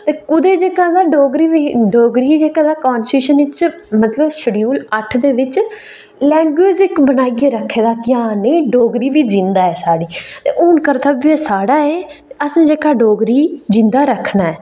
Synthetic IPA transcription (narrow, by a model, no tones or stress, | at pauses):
t̪eːkʊd̪eːd͡ʒeːkãːd̪aːɖoːɡɾiːʋiːɖoːɡɾiːd͡ʒeːkãːd̪aːkaːnsʈuːʃənɪt͡ʃ | mət̪ləbʃəɽijuːləʈʰd̪eːʋɪt͡ʃ | lɛ̃ːŋɡeːd͡ʒɪkbənaːiɡeːɾəkʰːeːd̪aːkjaːneːɖoːɡɾiːʋiːd͡ʒɪ̃nd̪aːɛːsaːɽiːt̪ḛːʔʊːnkəɾt̪ʰəbiːɛːsaːɽaːɛːt̪eəsẽːd͡ʒeːkaːɖoːɡɾiːd͡ʒɪ̃nd̪aːɾəkʰnaːɛː